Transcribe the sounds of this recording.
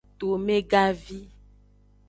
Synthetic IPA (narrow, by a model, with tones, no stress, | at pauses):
t̪o˨mẽ˦ɡa˦vi˦